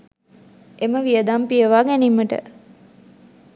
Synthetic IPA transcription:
eməʋijəd̪ampiəʋaːɡænimːəʈə̰

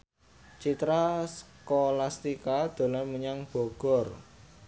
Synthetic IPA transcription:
t͡ʃit̪ɾasəkolast̪ikad̪̥o̤laməɲaŋb̥ɔ̤ɡ̥ɔ̤r

